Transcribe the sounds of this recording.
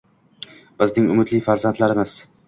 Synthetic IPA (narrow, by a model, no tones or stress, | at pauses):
b̥ɪznɪŋʊmɪt̪lɪjfaɾzant̪laɾɪmɪz̥